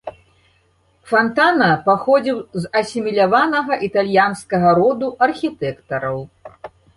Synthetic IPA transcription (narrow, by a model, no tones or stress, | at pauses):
fant̪anɐpaxɔd͡zʲiwzɐsʲimʲilʲavanɐɣɐʔit̪alʲjanskɐɣɐɾɔd̪uʔɐrxʲit̪ɛkt̪ɐɾɐw